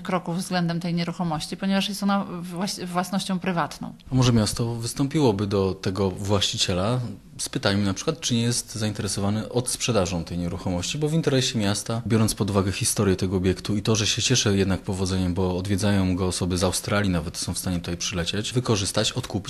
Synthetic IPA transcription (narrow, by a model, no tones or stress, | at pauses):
kɾɔkuvvzɡlɛnd̪ɛmt̪ɛjɲɛɾuxɔmɔɕt͡ɕipɔɲɛvaʂjɛst̪ɔnawavwasnɔɕt͡ɕɔ̃w̃pɾɘvat̪nɔ̰̃w̃amɔʐɛmʲjast̪ɔvɘst̪ɔmpʲiwɔbɘd̪ɔt̪ɛɡɔvwaɕt͡ɕit͡ɕɛla | spɘt̪ajminapʂɘkwat̪t͡ʂɘɲɛjɛst̪zaint̪ɛɾɛsɔvanɛʔɔt̪spʂɛd̪aʐɔ̃w̃t̪ɛjɲɛɾuxɔmɔɕt͡ɕibɔvint̪ɛɾɛɕɛmʲjast̪abʲjɔɾɔnt̪spɔd̪uvaɡɛxʲist̪ɔɾʲjɛt̪ɛɡɔːbʲjɛkt̪uit̪ɔʐɛɕɛt͡ɕɛʂɛjɛd̪nakpɔvɔd̪zɛɲɛmbɔːd̪vʲjɛd̪zajɔ̃w̃ɡɔːsɔbɘzawst̪ɾalʲjinavɛt̪sɔ̃w̃fst̪aɲɛt̪ut̪ajpʂɘlɛt͡ɕat͡ɕvɘkɔʐɘst̪at͡ɕɔt̪kupʲi